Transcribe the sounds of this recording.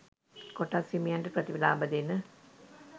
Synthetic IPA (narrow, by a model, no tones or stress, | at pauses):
koʈasimijaɳʈəprɐt̪ibɐlaːbɐd̪enə